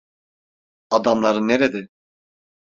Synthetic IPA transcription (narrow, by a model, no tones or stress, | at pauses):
ad̪amlˠaɾɯnːeɾed̪ɪ